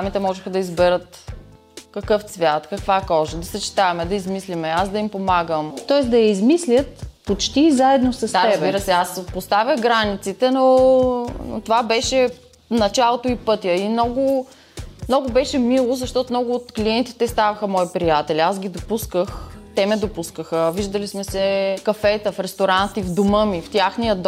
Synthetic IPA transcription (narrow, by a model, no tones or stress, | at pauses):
amit̪ɛmɔʒɛxəd̪ɐizbɛɾət̪ | kɐkɤft̪svʲjat̪kɐkvakɔʒəd̪ɐsɐt͡ʃi̥t̪avɛmɛd̪ɐizmislimɛasd̪ɐimpomaɡəmt̪ɔɛsd̪ɐjɐizmislʲət̪pot͡ʃt̪izaɛd̪nosɐsaəɾzbbiɾəsɛaspost̪avʲjəxɡɾanit̪sit̪ɛno | no̰t̪ovabɛʃɛ | nɐt͡ʃalˠot̪oipɤt̪ʲjəimnɔɡʊ | mnɔɡʊbɛʃɛmilˠozɐʃt̪ɔt̪omnɔɡʊːt̪kliɛnt̪i̥t̪ɛst̪avɐxəmɔipɾijat̪ɛliasɡʲid̪opuskəxt̪ɛmɛd̪opuskəxəviʒd̪əlismɛsɛkɐfɛt̪əfɾɛst̪oɾant̪ivd̪omɤmift̪ʲjaxnijəd̪